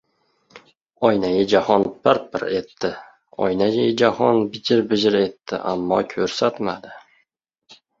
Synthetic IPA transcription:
ɒjnajɪd͡ʒahɒnbɪɾbɪɾet̪ːɪ | ɒ̰jnajʲajɪd͡ʒahɒnbɪd͡ʒɪɾbɪd͡ʒɪɾe̞t̪ːɪ̰ʔa̰mːɒkʲʰɵɾsat̪mad̪ɪ

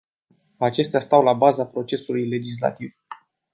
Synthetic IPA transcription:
at͡ʃe̞st̪ast̪awlabazapɾo̞t͡ʃe̞sulujle̞d͡ʒis̬la̰t̪iv

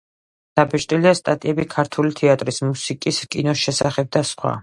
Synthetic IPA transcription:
d̪̥abɛʃt̪ʼiliast̪ʼat̪ʼiɛbikʰaɾt̪ʰulit̪ʰɛat̪ʼɾismusikʼiskʼinɔʃɛsaχɛb̚d̪asχwa̰

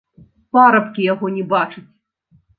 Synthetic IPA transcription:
paɾɐpkʲijaɣɔnʲɛbat͡ʂɨt͡sʲ

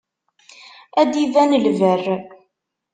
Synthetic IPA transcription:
æd̪ivænəlvərː

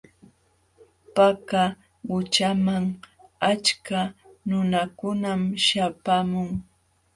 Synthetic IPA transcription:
paka | wʊt͡ʃamaŋat͡ʃkanʊnakʊnamʃapamʊŋ

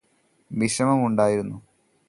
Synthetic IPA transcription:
ʋiɕɐmɐmuɳɖaːjiɾunːu

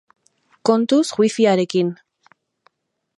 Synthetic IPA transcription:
ko̞nt̪usɣwifiaɾe̞kin

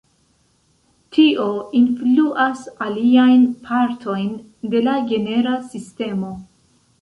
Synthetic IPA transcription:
tʰio̞influʔasaliajnpʰaɾtʰo̞jn | de̞laɡe̞ne̞ɾasiste̞mo̞

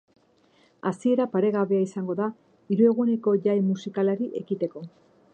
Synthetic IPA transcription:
asie̞ɾapaɾe̞ɣaβe̞aisaŋɡo̞ða | iɾue̞ɣune̞ko̞ʝajmusikalaɾiʔe̞ɣit̪e̞ko̞

